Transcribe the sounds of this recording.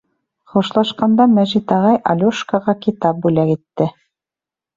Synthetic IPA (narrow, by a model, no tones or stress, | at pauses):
χuʃlˠɑʃqɑnd̪ɑmæʒit̪ɑʁɑjʔɑ̰lʲuʃkɑʁɑkit̪ɑp̚bʉlækit̪ːɘ